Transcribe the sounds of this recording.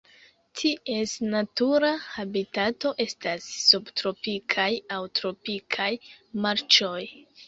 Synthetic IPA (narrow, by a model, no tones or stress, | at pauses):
tʰie̞snatuɾahabitato̞ʔe̞stasːubtɾo̞pikʰajawtɾo̞pikʰajmaɾt͡ʃo̞j